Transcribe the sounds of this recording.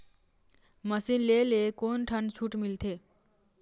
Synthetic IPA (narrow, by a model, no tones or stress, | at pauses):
məsinlelekonʈʰənt͡sʰuʈmilt̪ʰe